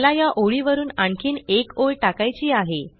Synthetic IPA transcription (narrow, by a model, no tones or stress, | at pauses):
lajaʔoɭiʋəɾuːnaɳkʰiːnekojʈakajt͡ɕiːaɦe